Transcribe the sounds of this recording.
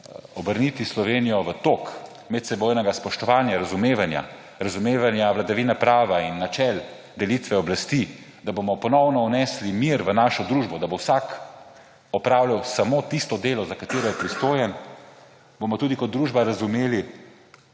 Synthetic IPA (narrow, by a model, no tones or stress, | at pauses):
ɔbəɾnit̪islɔʋeːnijɔʋət̪ok | mɛt̪sɛboːjnɛɡaspɔʃt̪ɔʋaːnjaɾazumeːʋanja̰ | ɾazumeːʋanjaʋlad̪aʋiːnapɾaːʋainːat͡ʃɛl | d̪ɛlit̪ʋɛɔblast̪i | d̪abomɔpɔnɔwnɔunɛslimiɾʋənaʃɔd̪ɾuːʒbɔd̪abowsak | ɔpɾaːwlawsamot̪ist̪ɔd̪eːlɔzakat̪eːɾɔjɛpɾist̪oːjɛn | bomɔt̪uːd̪ikɔt̪̚d̪ɾuːʒbaɾazumeːli